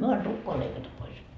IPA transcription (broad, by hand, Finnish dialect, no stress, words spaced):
myø ɑn tukːoɑ leikɑtɑ pois